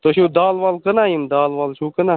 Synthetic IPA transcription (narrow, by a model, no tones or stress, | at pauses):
t̪oʃũːd̪aːlʋaːlkənaːjimd̪aːlʋaːlt͡ʃʰuːkənaː